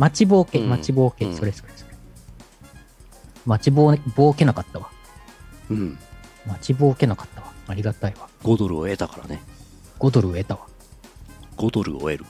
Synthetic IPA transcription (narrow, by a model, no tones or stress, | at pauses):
mat͡ɕibo̞ːkemat͡ɕiboːkesoɾeskɯɾesɨ̥e | mat͡ɕiboːbo̞ːke̞nakat̪ːaβa | ɯ̟̃ɴ | mat͡ɕibo̞ːke̞nakḁt̪ːaβaaɾʲiɡat̪aiβaɡ̥o̞d̪o̞ɾɯoe̞t̪akaɾa̰ne | ɡ̥o̞d̪o̞ɾɯ̟oe̞t̪aβa | ɡ̥o̞d̪o̞ɾɯ̟o̰e̞̰ɾɯ̟